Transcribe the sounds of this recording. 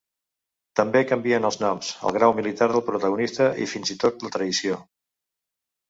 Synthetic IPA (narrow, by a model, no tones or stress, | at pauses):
t̪əmbekəmbiənəlˠznɔmsə̰lˠɣɾawmilit̪aɾðəlˠpɾut̪əɣunist̪əʔḭfinzit̪ot̪̚lət̪ɾəðisio